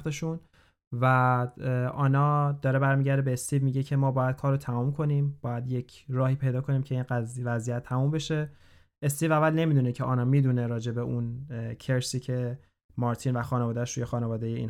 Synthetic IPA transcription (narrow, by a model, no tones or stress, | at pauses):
t̪eʃun | væ | ʔɒːnɒːd̪ɒːɾe̞bæɾmiːɟæɾd̪ebe̞ːst̪ʰiːvmiːɟecʰe̞mɒːbɒːjæd̪̥̚kʰɒːɾot̪ʰæmumkʰo̞niːmbɒːjæd̪je̞cʰɾɒːhiːpʰe̞jd̪ɒːkʰo̞niːmcʰe̞inævæzijæt̪ʰːæmumbe̞ʃe̞ | ʔest̪iːvævælne̞miːd̪unecʰe̞ʔɒːnɒmiːd̪uneɾɒːd͡ʒe̞be̞ʔuncʰeɾsiːcʰe̞ | mɒːɾt̪ʰiːnvæxɒːnevɒːd̪æʃɾuje̞xɒːnevɒːd̪eje̞ḭn